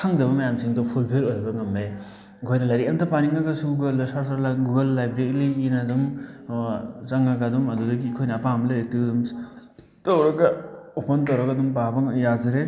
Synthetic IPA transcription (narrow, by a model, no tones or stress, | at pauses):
kʰaŋdɐβɐmajamsiŋdɔpʰulpʰeɾojbɐŋɐme | kʰojnɐlaɾiantʰɐpaniŋaɡɐsuɡalɯsaɾsaɾlaɡuɡɐlːajbɾeɾiliːnadum | zaŋaɡadumɐdudɐɡikʰojnɐːpamleɾetɯdum | tawɾɐɡɐupʰɔntawɾɐɡadumpabɐŋjazɯɾe